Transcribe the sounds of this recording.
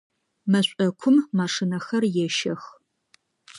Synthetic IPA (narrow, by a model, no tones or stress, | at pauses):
mɐɕʷʼɔɐkʷʰʊmːaːʂɨnɐxɐrjɛʃɐx